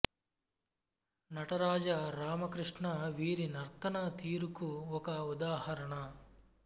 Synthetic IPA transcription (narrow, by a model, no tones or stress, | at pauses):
nɐʈɐɾaːd͡ʒɐɾaːmɐkɾɨʂɳɐʋiːɾinɐɾt̪ɐnɐt̪iːɾukuɔkɐud̪aːhɐɾɐɳɐ